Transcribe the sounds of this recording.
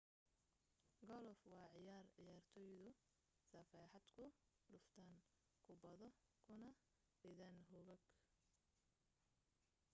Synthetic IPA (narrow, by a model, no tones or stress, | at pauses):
ɡɔlfwɑːʕɪjaːrʕɪjaːrt̪ʰɔːjðʊ | sɐfɑːħɑd̪kʰʊ | lʊft̪ʰaːŋ | kʰʊbɐðɔkʰʊnɐ | bɪðɐnɦʊɣɐɡ